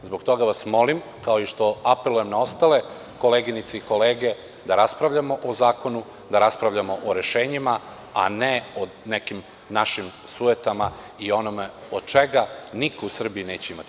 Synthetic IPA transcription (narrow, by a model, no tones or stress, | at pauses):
zbo̞ɡt̪o̞ɡaʋasmo̞lim | kaoiʃt̪o̞ape̞lˠujemnao̞st̪ale̞ | ko̞leɡinit̪seiko̞leːɡe̞ | d̪aɾaspɾaʋʎamo̞ʔozaːko̞nu | d̪aɾaspɾaʋʎamoʔoɾe̞ʃeːɲima | a̰neo | nekim | naʃimsuet̪ama | io̞nomeod̪̥̚t͡ʃeɡanikousr̩biineːt͡ɕeimat̪i